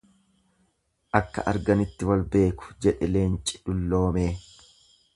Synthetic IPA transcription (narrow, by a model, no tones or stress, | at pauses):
ʔɐkːɐ̰ʔɐɾɡɐnɪt̪ːɪwɐlbe̞ːkʊ̥d͡ʒɛᶑɛleːnt͡ʃʼɪ̥ᶑʊlːo̞ːme̞ː